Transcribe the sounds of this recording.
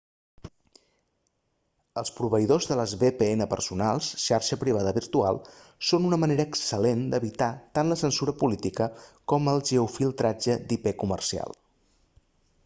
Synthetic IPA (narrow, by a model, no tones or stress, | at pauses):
əlˠspɾuβ̞əiðozðələzβepeenəpə̰rsunalˠsʃaɾʃəpɾiβ̞aðəβiɾt̪ua̰lˠsonunəməneɾəːksəlend̪əβit̪at̪anləsənsuɾəpulit̪ikəkɔməlˠʒəufilˠt̪ɾad͡ʒəd̪ipekumə̰rsia̰lˠ